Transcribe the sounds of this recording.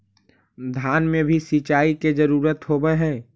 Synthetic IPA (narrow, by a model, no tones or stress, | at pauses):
d̪ʱjaːnmẽbʱisit͡ʃaːiked͡ʒəɾuːɾət̪ɦobəɦɛ̃ː